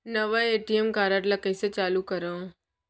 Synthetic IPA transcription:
nəʋaeːʈiemkaːɾaʈlakəjset͡ʃaːlukəɾə̃

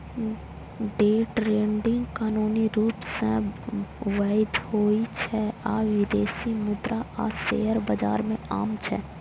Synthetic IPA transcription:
ɖeːʈɾẽːɳɖɪ̃ŋɡkaːnuːniɾuːpsẽ | ʋaːɪd̪hoːit͡ʃʰɛaːʋɪd̪eːsimʊd̪ɾaʔa̰ːsḛːɦəɾbəd͡ʒa̰ːɾmẽaːmt͡ʃʰɛ̰

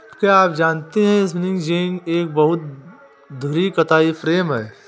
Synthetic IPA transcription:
kjaaːp̚d͡ʒaːnt̪eɦɛ̃ɪs̬mɪnɪ̃ŋd͡ʒeɪ̃ŋɡeːk̚bɐɦʊt̪̚ | d̪ʱʊɾikɐt̪aːifɾeːmɦɛː

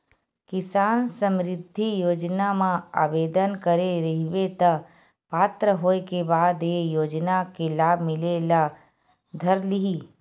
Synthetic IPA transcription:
kɪsaːnsə̃mɾɪd̪ʱːijoːd͡ʒnamãa̰ːbeːd̪ənkəɾeɾɐɦiʋet̪ə | paːt̪ɾəɦoːekebaːd̪eːjoːd͡ʒnakelaːbʱmɪlela | d̪ʱəɾliɦiː

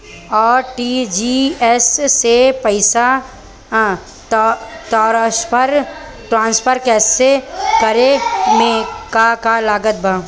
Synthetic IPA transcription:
ɔːɾʈiːd͡ʒiɛssepɐɪsa | tːt̪ɔːɾspʰəɾ | ʈɾãːnspʰəɾkɛːsekəɾemẽkakalaːɡət̪̚bʱaː

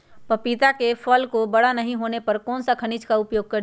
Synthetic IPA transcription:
pəpit̪akepʰəlkobəɽanəɦĩɦonepəɾkɔːnsəkʰənit͡ʃkaʊpjoːɡ̚kəɾ

